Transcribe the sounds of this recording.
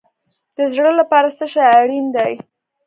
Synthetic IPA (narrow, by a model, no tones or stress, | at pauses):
d̪̥əzɽəlapɑɾasəʃaaɽind̪aj